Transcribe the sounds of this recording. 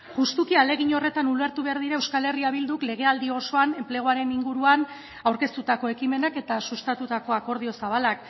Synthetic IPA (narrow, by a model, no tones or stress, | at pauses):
ʝust̪ukiale̞ɣ̞iɲo̞re̞t̪anule̞ɾt̪uβe̞aɾð̞iɾaewskale̞riaβild̪ukle̞ɣ̞e̞ald̪io̞so̞ane̞mple̞ɣ̞oaɾe̞niŋɡuɾuan | awɾke̞st̪ut̪ako̞e̞kime̞nake̞t̪asust̪at̪ut̪ako̞ako̞ɾð̞io̞saβalak